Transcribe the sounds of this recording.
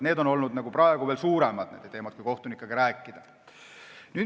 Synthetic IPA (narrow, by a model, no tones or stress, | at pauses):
neːd̪o̞no̞lnud̪̥nɑɡ̥uprɑeɡuʋelsuːɾemɑd̪̥nḛːd̪et̪e̞ːmɑt̪̚kuijko̞ht̪unikːˑɑɡ̥iɾæːkːid̪̥æ | ny